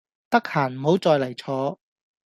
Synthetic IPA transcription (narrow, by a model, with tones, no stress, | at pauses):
t̪ɐ˥k̚haː˨˩nm̩˨˩ho˨˥wt͡sɔː˧jlɐ˨˩jt͡sʰɔː˨˥